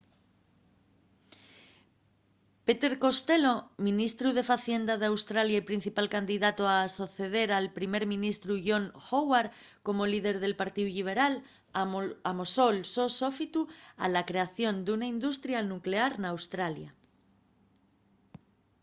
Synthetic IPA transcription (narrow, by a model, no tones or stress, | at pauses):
pe̞t̪e̞ɾko̞st̪e̞lo̞mĩnist̪ɾuð̞e̞faθje̞nd̪að̞eawst̪ɾaljaipɾin̟θipalkand̪iðat̪oaso̞θe̞ð̞e̞ɾalpɾime̞ɾmĩnist̪ɾuʝo̞ŋxowaɾ | ko̞mo̞liðe̞ɾðe̞lpaɾt̪iðuʎiβ̞e̞ɾal | amoso̞lso̞so̞fit̪ua̰lakɾe̞aθjo̞nd̪unaind̪ust̪ɾjanukle̞aɾnawst̪ɾalja